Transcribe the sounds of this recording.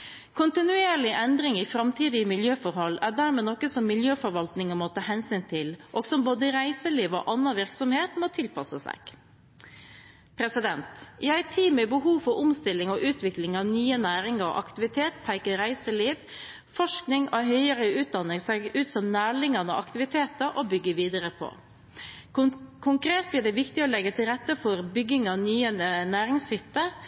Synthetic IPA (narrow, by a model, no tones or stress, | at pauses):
kʰʊnt̪ɪnʉeːɾɭɪʔɛnd̪ɾɪŋɪfɾɑmt̪ʰiːd̪ɪəmɪljøːfɔɾhɔlːæɖæɾmeːnɔkːəsɔmːɪljøːfɔɾʋɑlt̪nɪŋəmɔt̪ʰɑːhɛnsyːnt̪ʰɪlʔɔɡ̥sɔmboːd̪əɾæɪsəliːʋɔ̰ːʔɑnːɑʋɪɾksɔmheːt̪mot̪ʰɪlpʰɑsəsæ̰ɡ̥ | pʰɾɛsɪd̪ɛnt̪jææɪt̪ʰiːmɛbəɦuːfɔɾʊmst̪ɪlːɪŋɔʔʉːt̪ʰʋɪklɪŋɑʋnyːənæːɾɪŋəɾɔ̰ʔɑ̰kt̪ɪʋɪt̪ʰeːt̪pʰæɪkəɾæɪsəliːʋ | fɔʂknɪŋoɦœʏəɾəʉːt̪̚d̪ɑnːɪŋsɛɡʉːt̪sɔmnæːɭɪŋɑnəʔɑ̰kt̪ɪʋɪt̪ʰeːt̪əɾʔɔbʏɡːəʋiːd̪əɾəpʰɔ̰ | kʰʊŋkɾeːt̪̚blɪːɖ̪ɛʋɪkt̪ɪɔːlɛɡːət̪ʰɪlɾɛt̪ːəfɔɾbʏɡɪŋɑnyːənæːɾɪŋshʏt̪ːə